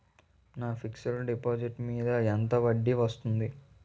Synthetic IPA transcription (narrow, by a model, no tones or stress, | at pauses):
naːpʰiksɐlɖipoːd͡ʒiʈmiːd̪ɐent̪ɐʋɐɖːiʋɐst̪und̪i